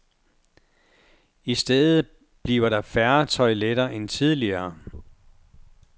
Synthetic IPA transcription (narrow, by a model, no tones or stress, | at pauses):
isd̥eð̩ˠ | b̥liːʊɐɾɑ̈fæɐt͡sʰɒ̽ɪleɾɐːʔent͡sʰið̞ˠliɐː